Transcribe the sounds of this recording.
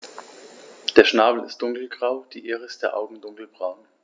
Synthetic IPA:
d̥eːɐʃnaːbl̩ɪ̰std̥ʊŋkl̩ɡʁaʊd̥iːʔeːʁəɪst̚d̥eːɐʔaʊɡŋ̩dʊŋkl̩bʁaʊn

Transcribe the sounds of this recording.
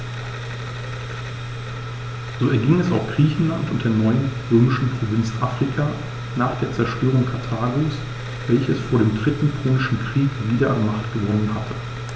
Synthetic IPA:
z̥oːɛɐɡɪŋɛsaʊxɡ̥ʁiːçn̩lantʊntd̥eːɐnɔʏənʁøːmɪʃn̩pʁ̥ovɪnt͡sʔaːfʁ̥ikʰaː | naːχd̥eːɐt͡sɛɐʃtʰøːʁ̞ʊŋkʰaɐtʰaːɡoːs | vɛlçəsfoːɐɾeːmdʁɪtn̩kʰʁoːnɪʃn̩kʁ̥iːkviːdɐanmaχtɡ̥əvɔnənhatʰə̥

